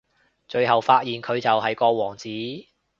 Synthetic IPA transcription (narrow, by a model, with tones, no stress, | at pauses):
t͡ʃɵ˨˧ɥhɐ˨wfaː˧˥t̚jiː˨˩nkʰɵ˨˧ɥt͡sɐ˨whɐ˨jkɔː˧wɔː˨˩ŋt͡siː˨˥